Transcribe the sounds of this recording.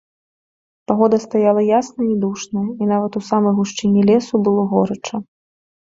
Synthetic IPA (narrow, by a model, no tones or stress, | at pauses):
paɣɔd̪ɐst̪ajalˠɐjasnɐid̪uʂnɐinavɐt̪usamɐjɣuʂt͡ʂɨnʲːilʲɛsubɨlˠɔɣɔɾɐt͡ʂɐ